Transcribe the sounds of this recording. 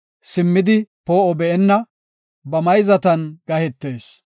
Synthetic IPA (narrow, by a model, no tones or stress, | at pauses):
sɪmːɪd̪ɪpoːɔbɛʔɛnːɐ | bɐmɐjzɐt̪ɐnɡ̥ɐhɛt̪ːe̞ːs